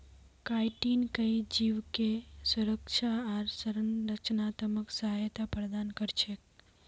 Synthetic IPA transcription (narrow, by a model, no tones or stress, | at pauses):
kajʈinkəid͡ʒiʋkesuɾəkt͡ʃʰaaɾsəɾənɾət͡ʃnat̪əməksəɦajt̪apɾd̪ankəɾt͡ʃʰek̚